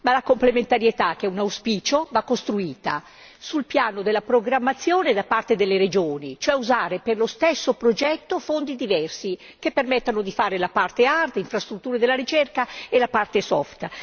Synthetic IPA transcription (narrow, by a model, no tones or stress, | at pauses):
malakomplement̪aɾjet̪ak̟ɛunawspiːt͡ʃovakːost̪ɾuiːt̪a | sulpjaːnod̪elːapɾoɡɾamːat̪sːjoːned̪apart̪ed̪elːeɾed͡ʒoːnit͡ʃoɛuzaːɾeperlost̪esːopɾod͡ʒɛt̪ːofond̪id̪ivɛrsi | k̟epːermet̪ːanod̪ifaːɾelapart̪eard̪iɱfɾast̪ɾut̪ːuːɾed̪elːaɾit͡ʃerkaelapart̪esɔ̰ft̪